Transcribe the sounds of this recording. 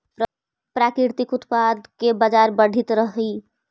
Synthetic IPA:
ɾə | pɾakɾɪɾt̪ikʊt̪pad̪kebəd͡ʒaɾbəɽ̤ʱit̪ɾəɦi

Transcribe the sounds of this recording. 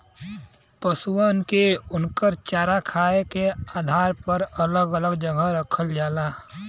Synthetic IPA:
pəsuənkeʊnkəɾt͡ʃaːɾakʰaːekeaːd̪ʱaːɾpəɾələɡələɡd͡ʒəɡəɾəkʰəld͡ʒaːlaː

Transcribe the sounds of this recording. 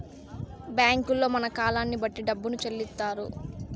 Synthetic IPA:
bjaːŋkulːo̞ːmɐnɐkaːlaːnːibɐʈːiɖɐbːunut͡ʃɐlːit̪ːaːɾṵ

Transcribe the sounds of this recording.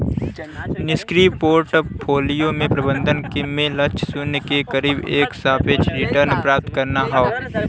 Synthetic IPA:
nɪskɾipoːɾʈpʰoːlijomẽpɾɐbə̃nd̪ʱənkmẽlɐt͡ʃʰsʊnkekɐɾiːbeːksaːpʰet͡ʃɾɪʈəɾnpɾaːp̚t̪kɐɾnaɦaoː

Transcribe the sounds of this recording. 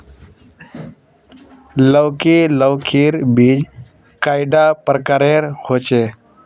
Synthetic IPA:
ləːkiːləʋkʰiːɾbiːd͡ʒ | kaːɪɖaːpɾkəɾeːɾhoːt͡ʃeː

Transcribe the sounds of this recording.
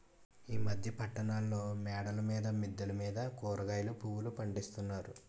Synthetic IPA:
iːmɐd̪ʱjɐpɐʈːɐnaːlːo̞ːmɛːɽɐlɐmiːd̪ɐmid̪ːɐlɐmiːd̪ɐkɔːɾɐɡaːjlupuwulupɐɳɖist̪unːaːɾu

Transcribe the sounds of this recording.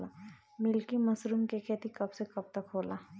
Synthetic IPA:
la | mɪlkimɐsɾuːmkekʰeːt̪ikɐbsekɐb̚t̪əkɦoːlaː

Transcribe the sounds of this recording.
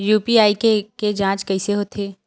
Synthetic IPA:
juːpiaːikeked͡ʒãːt͡ʃkɐiseɦoːt̪ʰeː

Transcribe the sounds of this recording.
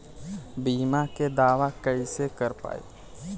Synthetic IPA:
biːmaked̪aːʋakəisekəɾpa̰ːḭ

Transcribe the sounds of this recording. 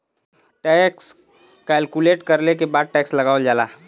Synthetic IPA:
ʈɛːks | kɛːlkuleːʈkɐɾlek̬ebaːd̪̚ʈɛːkslɐɡaːʋəld͡ʒaːlaː

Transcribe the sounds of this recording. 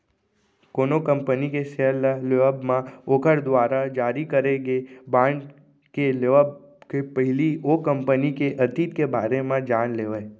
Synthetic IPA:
konokəmpənikeselleʋəbmãokʰəɾd̪ʋaɾad͡ʒaɾikəɾeɡebãɳɖ | keleʋb | kepəɦɪliokəmpənikeʔət̪it̪kebaɾemãd͡ʒanleʋa

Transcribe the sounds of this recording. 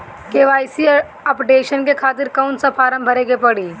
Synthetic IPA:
keːʋaːɪsi | ɐpʈeːʃənkekʰaːt̪ɪɾkaʊnsapʰaːɾə̃mbʱəɾeɡepɐɽiː

